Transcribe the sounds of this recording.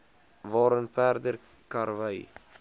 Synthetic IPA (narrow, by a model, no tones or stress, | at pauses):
vɑːɾənpæːrdər | kɑɾvəj